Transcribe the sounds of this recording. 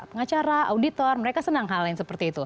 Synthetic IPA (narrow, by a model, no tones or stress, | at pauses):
pəŋat͡ʃaɾaaudit̪ɔrməɾekasənaŋɦalɪnsəpərt̪iːt̪u